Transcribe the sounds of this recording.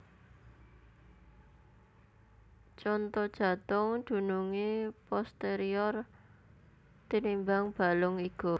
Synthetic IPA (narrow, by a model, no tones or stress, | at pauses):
t͡ʃɔnt̪ɔd̥ʒ̥ä̤t̪ʊŋd̪̥ṳnuŋipɔst̪eɾiɔr | t̪inimbaŋb̥a̤lʊŋiɡ̥o